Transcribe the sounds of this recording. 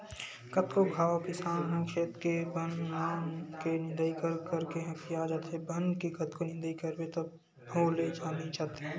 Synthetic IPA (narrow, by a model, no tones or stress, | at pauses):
kət̪koɡʱaːokɪsaːnɦɛ̃kʃeːt̪kebənnaːnkenɪ̃nd̪əikəɾkəɾkeɦɐ̃kijad͡ʒat̪ʰebʱənkikət̪konɪ̃nd̪əikəɾbet̪o | bʱoːled͡ʒaːnit͡ʃaːt̪eɦɛ̃